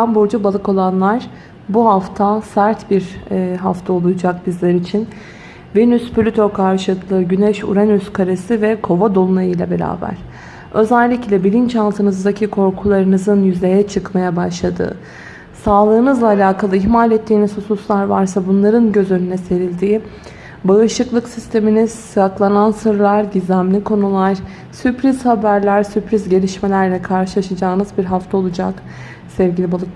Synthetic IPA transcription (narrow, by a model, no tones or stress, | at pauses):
ambuɾd͡ʒabalˠɯko̞lˠanlˠaɾ̥ | buɦaft̪ʰasæɾt̪biɾɦaft̪ʰao̞lˠujud͡ʒak̚bizlʲɛɾit͡ʃʰin | venysplʲyt̪ʰo̞kʰaɾʃɯklˠɯɟynɛʃṵɾɛnyskʰaɾesivɛkʰo̞vad̪o̞lˠunajɯjlʲɛbe̞ɾʲa̰ːbæ̰ɾ̥ | ø̞zælʲːiclʲɛbilʲint͡ʃalˠt̪ʰɯnɯzd̪acʰikʰo̞ɾkʰulˠaɾɯnɯzɯnjyzlʲe̞jɛt͡ʃʰɯkmajabaʃlˠad̪ɯ̰ | saːlˠɯːnɯzlˠaːlʲaːkʰalˠɯiçmalʲɛt̪ʰːiːnisususlˠaɾva̰ɾsabunlˠaɾɯnɟø̞zø̞nynɛse̞ɾilʲd̪iː | baɯʃɯklˠɯksist̪ʰe̞miniz̥sɯɾaklˠanansɯɾlˠaɾɟizʲæmlʲikʰo̞nulˠaɾ̥ | sypɾiz̥habæɾlʲæɾsypɾizɟe̞lʲiʃme̞lʲæɾlʲɛkʰaɾʃɯlˠaʃad͡ʒaːɯnɯzbiɾɦaft̪ʰao̞lˠud͡ʒa̰k | sɛvɟilʲibalˠɯk